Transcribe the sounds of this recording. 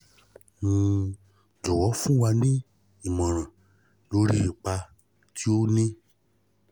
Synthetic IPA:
ŋũ˧ | d͡ʒɔ˨wɔ˨˦fũ˦wa˧nĩ˦ | i˨mɔ̃˨ɾ̃ã˨ | lo˦ɾi˦i˨k͡pa˧ | tʰi˦o˦nĩ˦

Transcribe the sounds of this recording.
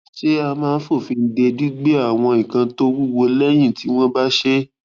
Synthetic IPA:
ʃe˦a˧mãː˦˧n̩˦fo˦˨fi˧n̩˦de˧di˦ɡ͡be˦a˦˨w̃ɔ̃˧ĩ˨kã˧to˦wu˦wo˧lɛ˦j̃ĩ˦˨ti˨˦w̃ɔ̃˦ba˦ʃe˦

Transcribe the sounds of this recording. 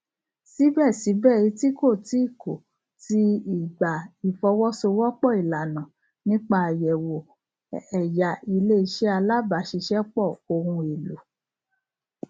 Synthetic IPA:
si˨˦bɛ˦˨si˨˦bɛ˦˨i˨˧˦ti˦ko˦˨ti˨˦i˦˨ko˨ | ti˦i˦˨ɡ͡ba˨i˨fɔ˧wɔ˦so˧wɔ˦k͡pɔ˦˨i˨la˨nã˨ | nĩ˦k͡pa˧˨jɛ˨wo˨ | ɛ˨ja˨i˧le˦i˧ʃɛ˦a˧la˦ba˨˦ʃi˧ʃɛ˦k͡pɔ˦˨o˧hũ˧e˨lu˨˦

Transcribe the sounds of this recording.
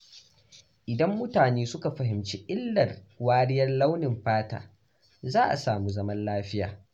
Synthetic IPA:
ʔɪ˨dɐ˦mːʊ˦taː˨neː˦sʊ˦ka˨ɸɐ˨ɦɪ˨mt͡ʃiː˦ʔɪ˦lːɐ˨rwaː˦ɽɪ˦jɐ˦rla˦wnɪ˨mɸaː˦ta̰ː˨ | zaː˦ʔa̰˨saː˨mu˦zɐ˦mɐ˦nlaː˦ɸɪ˦ja̰ː˨

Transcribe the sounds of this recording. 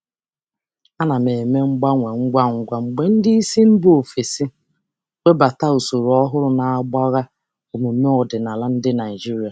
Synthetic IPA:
a˦na˨me˨me˦ŋ͡m̩˦ɡ͡ba˦ŋʷe˨ŋ̩˦ɡʷa˦ŋ̩˦ɡʷa˦ŋ͡m̩˨ɡ͡be˦n̩˦di˦i˦si˦m̩˦bo˨fe˨si˦ | wʷe˦ba˨ta˦u˨so˨ɾɔ˦ɦʊ˦ɾʊ˦na˨a˦ɡ͡ba˦ɣa˦ | o˨mu˨˦me˦ɔ˨dɪ˨na˨la˦n̩˦dɪ˦na˨ɪ˨d͡ʒi˦ɾi˦a˨

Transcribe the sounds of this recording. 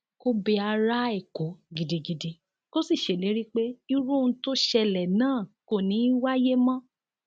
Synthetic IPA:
ko˦be˧a˧ɾa˦e˨ko˨˦ɡi˨di˨ɡi˨di˨ | ko˦si˦˨ʃe˨le˨˦ɾi˦k͡pe˦i˧ɾũ˦˧˦to˦ʃɛ˧lɛ˨nãː˦˨ko˨nĩ˨˦wa˦je˦mã˦

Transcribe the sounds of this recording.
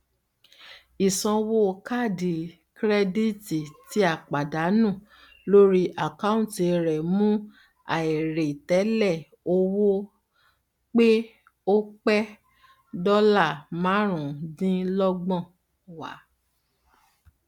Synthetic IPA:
i˨sɔ̃˧wo˦˧ka˦˨di˨ | kɾɛ˦di˦ti˨ti˦a˦˨k͡pa˨da˨˦nũ˦˨ | lo˦ɾi˦ʔa˨ka˦ũ˦te˧ɾɛ˨mũ˦ | a̰˨i˨ɾe˨tɛ˨˦lɛ˦˨ | o˧wo˦ | k͡pe˦ | o˦k͡pɛ˦ | dɔ˦la˦˨mã˨˦ɾ̃ũ˨dĩ˦lɔ˦ɡ͡bɔ̃˦˨ | wa̰˨˦

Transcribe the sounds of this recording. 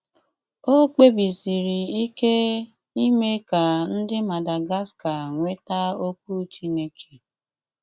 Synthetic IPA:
o˦k͡pe˦bi˨si˨ɾi˨i˦ke˦ | i˦me˦ka˨n̩˦dɪ˦ma˨da˨ɡa˦ska˨ŋʷe˦ta˦o˦k̚ʷu˦t͡ʃi˦ne˦kʰe̥˨

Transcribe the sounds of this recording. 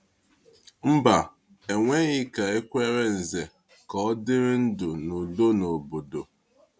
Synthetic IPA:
m̩˦ba˨ | e˨ŋʷe˦ɣɪ˦ka˨e˦kʷe˦ɾe˦n̩˨ze˨ | kɔ˦ɔ˦dɪ˦ɾɪ˦n̩˦dʊ˨nu˨do˦no˨bo˨do˨

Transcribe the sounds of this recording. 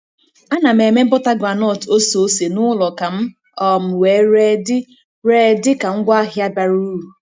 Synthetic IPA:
a˦na˨m̩e˨me˦m̩˦bɔ˦ta˦ɡɾa˨nɔ˦˨to˦so˨˦se˨nʊ˦lɔ˨ka˨m̩˦ | ɔ˨m̩˨weː˨˦ɾe˦dɪ˦ | ɾe˦dɪ˦ka˨ŋ̩˦ɡʷa˦ɦja˦ba˨ɾu˦u˨

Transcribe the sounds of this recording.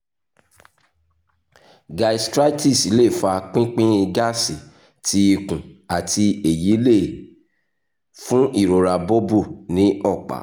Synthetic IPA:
ɡa˧i˨stɾa˦ti˦˨si˨˦le˦˨fa˧k͡pĩ˦k͡pĩ˦i˧ɡa˦si˨ | tʰi˧i˧kũ˨a˨tʰi˧e˨ji˨˦le˦˨ | fũ˦i˦˨ɾo˨ɾa˧bo˦bu˦˨nĩ˨˦ɔ˦˨k͡pa̰˨˦

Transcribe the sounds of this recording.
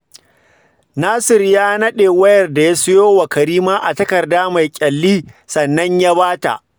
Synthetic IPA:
naː˦sɪ˨rjaː˦nɐ˦ɗeː˨wɐ˦jɐ˨rda˨ja˦sʊ˦joː˦wɐ˨kɐ˨ɾiː˦maː˦ʔa˨tɐ˦kɐ˨rdaː˦ma˨jkʲʼɐ˨lːiː˦sɐ˨nːɐ˦ɲja˦baː˦ta̰˨ʔ

